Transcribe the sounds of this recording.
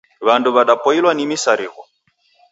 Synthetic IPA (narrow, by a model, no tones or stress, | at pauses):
βanduβaɗapɔilwanimisaɾiɣɔ